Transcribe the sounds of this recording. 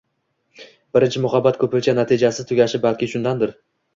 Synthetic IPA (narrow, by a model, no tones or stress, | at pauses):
b̥ɪɾɪnt͡ʃʰɪmʊχabːat̪kʰɵpɪt͡ʃʰanat̪ʰid͡ʒasɪt̪ʰʊɡʲaʃɪbalkʲɪʃʊnd̪and̪ɪɾ